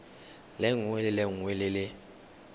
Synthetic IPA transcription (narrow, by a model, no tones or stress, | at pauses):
lɛŋwɛlɪlɛŋwelɪlɪ